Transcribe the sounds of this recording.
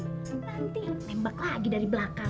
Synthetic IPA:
ənant̪inembaklaɡidaɾibəlaka

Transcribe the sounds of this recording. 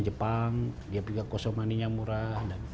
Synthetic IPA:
d͡ʒəpaŋdiapiɡakɔsɔmaniɲamuɾahdan

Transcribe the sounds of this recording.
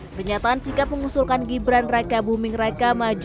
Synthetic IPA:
pərɲat̪aːnsikap̚məŋusulkanɡibɾanrakabumɪŋɾakamad͡ʒ

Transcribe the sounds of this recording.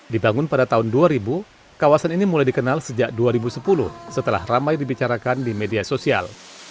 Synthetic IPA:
dibaŋʊnpadat̪aʊnduaɾibu | kawasaninimulajdikənalsəd͡ʒaʔ̚duaɾibusəpulʊhsət̪əla̰hramajdibit͡ʃaɾakandimediasosia̰l

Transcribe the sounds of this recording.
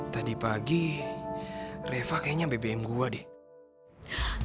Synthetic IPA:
t̪adipaɡi | refakaaɲabebeɛmɡuadi

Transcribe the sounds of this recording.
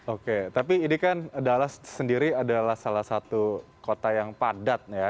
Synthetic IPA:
oket̪apiːnikanadalahsəndiɾiadalahsalahsat̪ukot̪ajaŋpadat̪̚ja

